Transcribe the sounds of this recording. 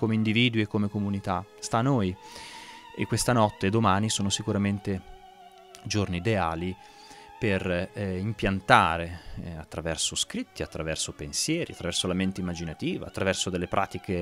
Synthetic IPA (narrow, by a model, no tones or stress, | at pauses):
komeind̪iviːd̪uiekːomekomunit̪ast̪anoj | ḛkːwest̪anɔt̪ːed̪omaːnisoːnosikuɾament̪e | d͡ʒorniːd̪eaːli | perimpjant̪aːɾeat̪ːɾavɛrsoskɾit̪ːiat̪ːɾavɛrsopensjɛːɾḭat̪ːɾavɛrsolament̪eimːad͡ʒinat̪iːva̰at̪ːɾavɛrsod̪elːepɾʔa̰ːt̪ike